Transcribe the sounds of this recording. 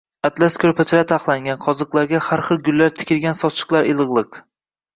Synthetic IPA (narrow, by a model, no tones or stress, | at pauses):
at̪laskʰʲɵɾpʰat͡ʃʰɪɾat̪ʰaχlˠaŋɡʲanqʰɒzɨqlˠaɾɡʲahaɾχɨlˠɡʲʊlːaɾt̪ʰɪ̥kʲɪlɡʲansɒt͡ʃʰɨ̥qlˠaɾɪlˠɨʁlˠɨq